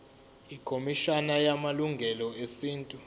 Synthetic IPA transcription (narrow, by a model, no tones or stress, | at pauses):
ikʰomiʃanajamaluŋɡʱɛlɔesiːntʼu